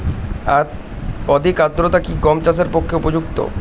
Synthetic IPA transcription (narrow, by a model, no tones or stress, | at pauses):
a | ɔd̪ʱikad̪ɾot̪akikɔmt͡ɕas̬eɾpokʰːeupod͡ʑukt̪o̰